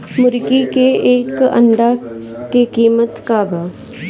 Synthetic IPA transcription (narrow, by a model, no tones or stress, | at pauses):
mʊɾkikeeːkɐ̰ɳɖakekiːmət̪kaːbaː